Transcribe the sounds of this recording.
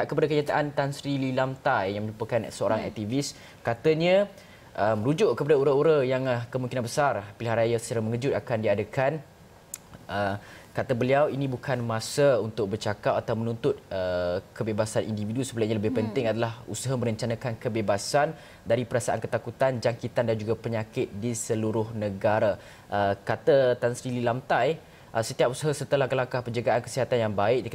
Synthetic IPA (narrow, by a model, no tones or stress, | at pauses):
aʔkəpadakəɲat̪aʔant̪ansɾililamt̪ajjaŋmə̃ɲupəkansəoɾaŋɛ̰k̚t̪ivis | kat̪əɲə̃ | ʔəmə̃ɾud͡ʒʊʔkəpadauɾəuɾəjaŋkəmuŋkinanbəsarpilɦaʔɾajasə̥t͡ʃaɾaməŋəd͡ʒʊt̪̚akandiadakan | əkat̪abəliawinĩbukʰanmãsəunt̪ʊk̚bərt͡ʃakap̚at̪awmənunt̪ʊt̪̚əkəbebasanʔḭndividusəbəlaɲaləbɪhpənt̪ɪŋadalahusəɦaməɾəɲt͡ʃanãkankəbebasan | daɾipəɾasaʔa̰nkət̪akut̪and͡ʒaŋkit̪andand͡ʒuɡapəɲakɪt̪̚disəluɾʊhnəɡaɾa | ʔəkat̪ət̪ansɾililamt̪aj | ʔəsət̪iap̚usəɦasət̪əlakəlaŋkahpəɲd͡ʒəɡaʔankə̥siɦat̪anjaŋbaɪk̚dik